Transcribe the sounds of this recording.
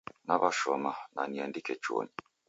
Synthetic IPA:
naβaʃɔmananiandikɛt͡ʃɔ̰ni

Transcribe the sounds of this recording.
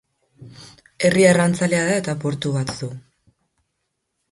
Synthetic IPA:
e̞riarant͡saleaðae̞t̪apo̞ɾt̪uɣat̪ðu

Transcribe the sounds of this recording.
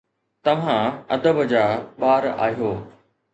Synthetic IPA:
t̪ɐʋ̤ãɐd̪əbəd͡ʑaːɓaːɾa̰ːɦijoː

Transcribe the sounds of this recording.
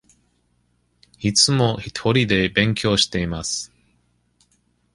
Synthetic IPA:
it͡sɨmo̞çi̥t̪ʰo̞ɾʲid̪e̞bẽ̞ŋkʲo̞ːɕi̥t̪e̞imasɨ̥

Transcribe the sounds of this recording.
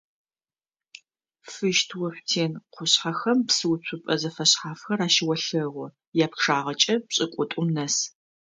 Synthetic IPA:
fɨʃtʰwɐħʷtʰeːnqʷʊɕħaxɐmpsɨwt͡ɕʷʰʊpʼɐzɐfɐɕħaːfxɐraːʃɪwɐɬɐʁʷʊ | jaːpʂaːʁɐt͡ʃʼɐpɕʼɪkʷʼʊtʷʼʊmnɐs

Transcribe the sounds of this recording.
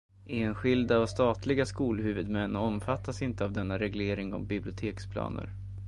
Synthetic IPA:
ʔeːnɧɪld̪aɔst̪ɑːt̪ʰlɪɡaskuːlɦʉ̟ːvɵd̪mɛnːɔmfat̪ːasɪnt̪əavd̪ɛnːaɾɛɡleːɾɪŋɔ̰mbɪblɪʊt̪ʰeːkspʰlɑ̰ːnə̰ɾ

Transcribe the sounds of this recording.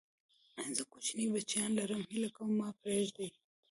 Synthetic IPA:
anzəkut͡ʃinibat͡ʃjɑːnlaɾəmhɪlakawmːɑːpɾeʒd̪e

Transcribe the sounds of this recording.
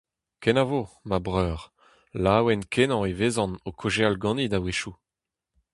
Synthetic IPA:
kɛnavomabʁœːʁ | laːwɛnkʰenɑ̃eveːzɑ̃nokʰoʒealɡɑ̃nid̪aweʃu

